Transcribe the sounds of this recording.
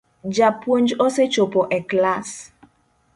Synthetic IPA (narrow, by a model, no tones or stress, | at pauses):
d͡ʒapwond͡ʒɔset͡ʃopɔʔɛklas